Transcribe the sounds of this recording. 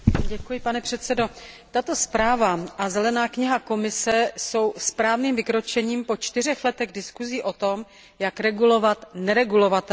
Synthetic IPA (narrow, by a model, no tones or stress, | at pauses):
ɟɛkujɪpanɛpr̝̥ɛt̪sɛdo̞t̪at̪o̞spɾaːvaʔazɛlɛnaːkɲɪɦako̞mɪsɛso̞wspɾaːvniːmvɪkɾo̞t͡ʃɛɲiːmpo̞t͡ʃt̪ɪr̝ɛxlɛt̪ɛɣdɪskuziːʔo̞t̪o̞m | jakɾɛɡulo̞vat̪nɛɾɛɡulo̞vat̪